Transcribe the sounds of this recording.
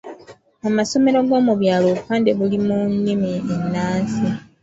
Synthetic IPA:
amaso̞me̞ɾo̞ɡo̞ːmuβjaːloupaːndeβulimuɲːimienːaːnsi

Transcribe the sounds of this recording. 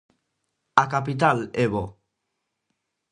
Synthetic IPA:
akapit̪̬aleβo

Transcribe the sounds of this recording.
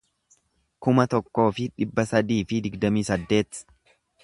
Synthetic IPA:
kʊmɐt̪ɔkːo̞ːfɪᶑɪbːɐsɐd̪iːfɪd̪ɪɡd̪ɐmiːsɐd̪ːe̞ːt̪

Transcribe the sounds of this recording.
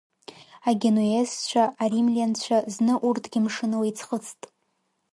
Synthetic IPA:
aɡʲenoest͡ʃʷʰaarimliant͡ɕʷʰaznɨʔurtʰɡʲɪmʂɨnɨwejt͡sʰχət͡sʰtʼ

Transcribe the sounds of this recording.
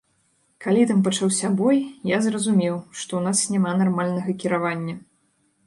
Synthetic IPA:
kalʲit̪ampɐt͡ʂawsʲabɔjjazrɐzumʲɛwʂt̪ɔwnasnʲamanarmalʲnɐɣɐkʲiɾavanʲːɐ

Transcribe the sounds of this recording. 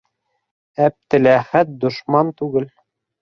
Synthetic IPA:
æp̚t̪ɘ̆læχæt̪̚d̪ŏʃmɑnt̪ʉɡɘl

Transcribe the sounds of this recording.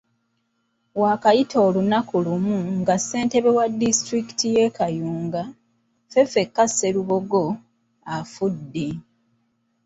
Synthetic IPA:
waːkajitʰo̞ːlunakulumuŋɡasːe̞ːnte̞βewadːistɾiki̥tʰije̞kajuːŋɡa | fe̞fe̞kːase̞ɾuβo̞ɡo̞ | afudːi

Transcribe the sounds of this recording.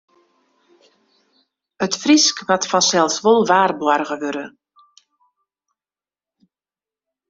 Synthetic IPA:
ətfriskʋatfɔnsɛlˠsʋolˠʋaːrbwɔrɣəʋøɾə

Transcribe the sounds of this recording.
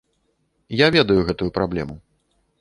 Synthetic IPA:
javʲɛd̪ɐjuɣɛt̪ujupɾablʲɛ̰mu

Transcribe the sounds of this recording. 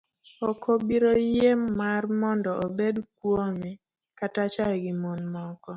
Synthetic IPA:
ɔkʰobiɾojemːarmɔndɔobedkwomɛ | katat͡ʃaɡɪmonmɔkɔ

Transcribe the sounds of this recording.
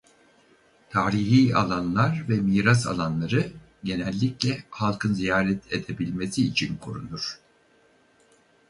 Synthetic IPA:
t̪ʰaːɾiɦiːa̰lˠanlˠaɾvɛmiːɾasa̰lˠanlˠaɾɯ | ɟe̞nɛlʲːiclʲɛhalˠkʰɯnzijaːɾɛt̪ʰed̪e̞bilʲme̞siːt͡ʃʰinkʰoɾunuɾ̥

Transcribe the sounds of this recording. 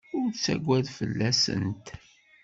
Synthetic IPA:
ʊɾt͡sːæ̰ɡʷːæðfəlːæsə̰nt̪

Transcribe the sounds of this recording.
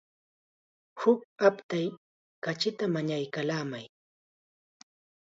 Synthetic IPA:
hʊk̚apt̪aj | kat͡ʃɪt̪amaɲajkalaːmaj

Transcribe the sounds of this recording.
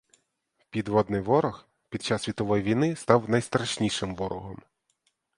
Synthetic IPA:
pʲid̪ʋɔd̪nɪjʋɔɾɔx | pʲid̪̚t͡ʃɑsʲːʋʲit̪ɔʋɔjiʋʲijnɪst̪ɑwnɐjst̪ɾɐʃnʲiʃɪmʋɔɾɔɦɔm

